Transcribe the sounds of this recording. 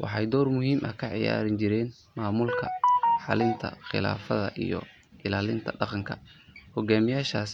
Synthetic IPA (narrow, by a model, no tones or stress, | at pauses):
wɑ̰ħɑjd̪ɔːrmʊɦiːmʔɐ̰kʰɐʕɪja̰ːɾɪnt͡ʃɪɾɛːn | maːmʊlkʰɐħɑlɪnt̪ʰɐ̰χɪ̰la̰ːfɐðɐ̰ʔijɔ̰ | ʔɪlaːlɪnt̪ʰɐɖɑqɑŋkʰɐhɔɡaːmɪjaːʃaːs